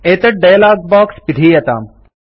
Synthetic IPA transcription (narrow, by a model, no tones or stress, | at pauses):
eːt̪ɐʈ̚ɖejlaːɡbaːkspid̪ʱiːjɐt̪a̰ːm